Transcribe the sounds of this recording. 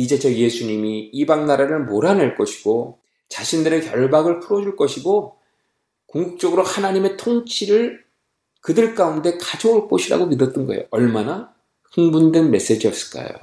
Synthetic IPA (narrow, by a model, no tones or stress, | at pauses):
id͡ʑe̞t͡ɕʌje̞sʰuɲimiːbaŋnaɾaɾɯɭmoɾaneɭk͈ʌɕʰi̥ɡ̥o | t͡ɕaɕʰindɯɾe̞kjʌɭbaɡɯɭpʰɯɾʌd͡ʑuɭk͈ʌɕʰiɡo | koŋɡuk̚t͡ɕ͈ʌɡɯɾohanaɲime̞tʰoŋt͡ɕʰiɾɯɭ | kɯdɯɭk͈aunde̞kad͡ʑouɭk͈oɕʰiɾa̰ɡomidʌt͈ɯnɡʌḛjoʌɭmana | ɸɯŋbundwenme̞s͈e̞d͡ʑiʌps͈ɯ̥ɭk͈a̰jo̰